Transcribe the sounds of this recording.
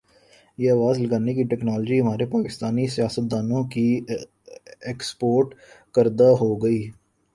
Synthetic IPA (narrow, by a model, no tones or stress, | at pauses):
jeːəːʋaːzləɡaːnekiʈɛːknaːləd͡ʒiɦəmaːɾepaːkɪst̪aːnisijaːsət̪̚d̪aːnõki | ekspoːɾʈkəɾd̪aɦoɡəiː